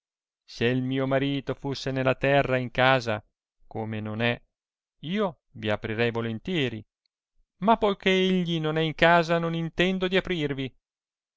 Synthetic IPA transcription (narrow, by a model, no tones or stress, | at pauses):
seilmiːomaɾiːt̪ofusːenelːat̪ɛrːaiŋkaːza̰ | komenonɛ | iːo | viapɾiɾɛjvolent̪jɛːɾḭ | mapːojkeeʎːinonɛiŋkaːzanonint̪ɛnd̪od̪iapɾirvi